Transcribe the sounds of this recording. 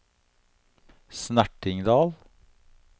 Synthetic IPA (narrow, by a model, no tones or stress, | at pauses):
snæʈɪŋd̪ɑːl